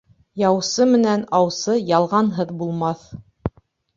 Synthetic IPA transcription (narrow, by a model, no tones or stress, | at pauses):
jɑwsɤmɘ̆nænɑwsɤjɑlˠʁɑnɦɤðbulˠmɑθ